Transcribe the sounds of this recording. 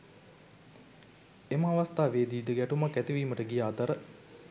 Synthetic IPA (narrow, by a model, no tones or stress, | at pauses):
eməaʋɐst̪aːʋeːd̪iːd̪əɡæʈumakːæt̪iʋiːməʈəɡijaːt̪əɾə